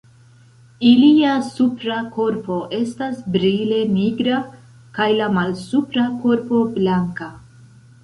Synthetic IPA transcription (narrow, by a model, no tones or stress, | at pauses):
iliasupɾako̞ɾpo̞ʔe̞stasbɾile̞niɡɾa | kajlamalsupɾako̞ɾpo̞blaŋka